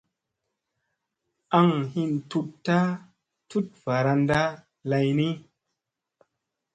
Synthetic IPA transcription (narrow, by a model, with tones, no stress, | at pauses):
ʔa˧ŋhi˧ntu˧tta˦ | tu˦t̚va˨ɾa˧nda˦ | la˧jni˦